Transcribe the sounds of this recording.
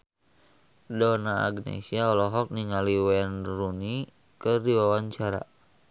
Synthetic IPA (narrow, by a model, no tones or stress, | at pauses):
dɔna̰ːɡnḛsiaɔlɔɦɔk̚niŋaliwɛnruni | kərdiwawaɲt͡ʃaɾa̰